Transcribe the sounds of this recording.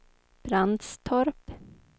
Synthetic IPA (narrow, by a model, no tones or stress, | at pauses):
b̥ɾand̪st̪ʰɔɾp